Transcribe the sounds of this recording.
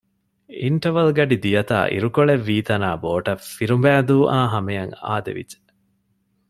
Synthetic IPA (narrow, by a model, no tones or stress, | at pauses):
iɳʈɐʋɐlɡɐɖid̪ijɐt̪a̰ːʔḭɾukoɭeʋːiːt̪ɐnaːboːʈɐfiɾumbæːd̪uːʔaːɦɐmejɐŋa̰ːd̪ḛʋḭd͡ʒe̥